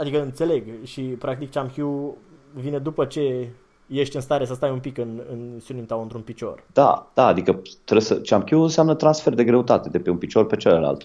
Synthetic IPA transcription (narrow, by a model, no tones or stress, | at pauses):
ad̪ikəɨnt̪se̞le̞ɡʃipɾak̚t̪ikt͡ʃamkʲju | vine̞d̪upət͡ʃe̞ | je̞ʃt̪ʲɨnst̪aɾesəs̬t̪ajumpikɨnɨnsunimt̪awɨnt̪ɾunpit͡ʃo̞̰rd̪̥a̰d̪̥aːd̪ikət̪ɾesət͡ʃamkʲjuɨnseamnət̪ɾansfe̞rd̪e̞ɡɾe̞ut̪at̪e̞d̪e̞peunpit͡ʃo̞rpe̞t͡ʃeləla̰lt̪